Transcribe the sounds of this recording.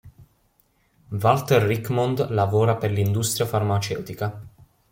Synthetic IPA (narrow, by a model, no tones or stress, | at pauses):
valt̪erːikmɔnd̪lavɔːɾaperlind̪ust̪ɾjafarmat͡ʃɛ̰wt̪ika